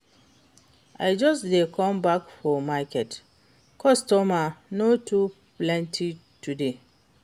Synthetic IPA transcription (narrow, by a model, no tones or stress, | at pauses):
ʔajd͡ʒʌsdekʰɔ̃mbakfɔmakɛt | kʰɔstɔmanotʰuplɛ̃ntʰi | tude